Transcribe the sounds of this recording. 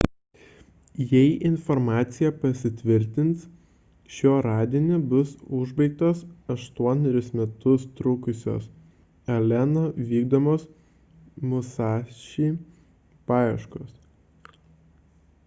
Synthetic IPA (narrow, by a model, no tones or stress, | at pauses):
jɛɪʔɪnfɔɾmɑːt̪sʲɪjɛpɐsʲɪt̪ʲʋʲɪɾʲt̪ʲɪnt̪s | ʃʲoːɾɑːd̪ʲiɛnʲeːbʊsʊʒbɐɪk̚t̪oːsɐʃt̪uɔnʲɛɾʲɪsmʲɛt̪ʊst̪ɾʊkʊsʲo̰ːs | ɐlʲɛnoːʋʲiːɡd̪oːmoːs | mʊsɑːʃʲiː | pɑːjɛʃkoːs